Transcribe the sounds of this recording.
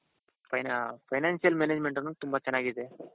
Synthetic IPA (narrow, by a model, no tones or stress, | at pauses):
fajnafajnansijəlmened͡ʑmeɳʈanuːt̪umbʱat͡ɕɐnaɡit̪e